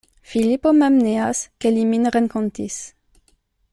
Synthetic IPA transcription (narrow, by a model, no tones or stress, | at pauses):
filipomɛmneaskeliminʁɛnkɔ̃nt̪is